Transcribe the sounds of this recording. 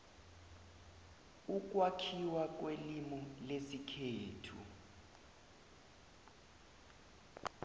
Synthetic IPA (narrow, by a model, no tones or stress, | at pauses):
uk̬ʼwakʰiwak̬welimɔlesikʰeːtʰṵ